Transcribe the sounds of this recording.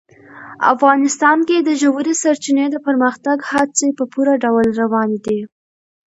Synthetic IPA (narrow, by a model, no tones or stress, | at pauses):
a̰fɣɑnɪst̪ɑnked̪əʒawuɾesaɾt͡ʃined̪əpəɾməxt̪aɡhat͡sepəpuɾaɖawlɾawɑned̪i